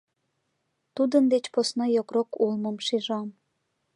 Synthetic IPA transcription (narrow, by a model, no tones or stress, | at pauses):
t̪ud̪ənd̪et͡ɕposnojokrokulməmʃiʒɑm